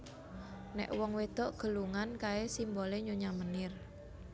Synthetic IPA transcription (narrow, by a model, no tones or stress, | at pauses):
nɛ̰ʔwɔŋwed̪̥ɔʔɡ̥ə̤luŋankaesimboleɲoɲamənɪr